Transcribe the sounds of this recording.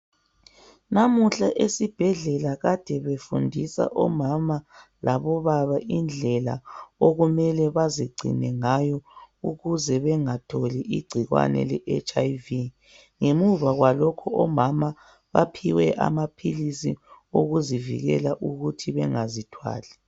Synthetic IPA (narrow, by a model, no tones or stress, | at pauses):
namuɬaʔesib̥ʱɛɮɛlaɣad̥ʱɛβefundʱisa̰ʔɔmama | laβɔβaβaʔind͡ɮʱɛla̰oɣumɛlɛβaziɡ͡ǀʱḭnɛŋajɔuɣuzɛβɛŋatʰoliʔiɡ͡ǀʱiɣwa̰nɛ̰lɛʔɛt͡ʃʼajvi | ŋemuβaɣwalɔkʰɔɔmama | βapʰiwɛʔa̰mapʰilisḭoɣuzivḭɣɛ̰laʔuɣutʰiβɛŋazitʰwa̰ːlɛ